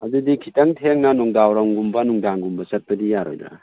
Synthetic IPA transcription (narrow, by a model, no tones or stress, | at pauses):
adudikʰitaŋtʰeŋnanɔŋdawɾaŋɡumbanuŋdaŋɡumbɐsat̚pɐdijaɾɔ̰jdɾa̰